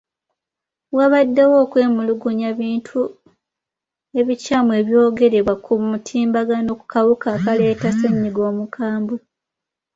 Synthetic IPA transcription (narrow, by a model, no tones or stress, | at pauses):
waβadːewo̞ːkwe̞ːmuluɡuɲaβiːntʰu | e̞βicaːmue̞ːβjo̞ːɡe̞ɾe̞βwakʰumutʰiːmbaɡano̞ku̥kʰawukaːkale̞ːtaseɲːiɡo̞ːmukʰaːmbu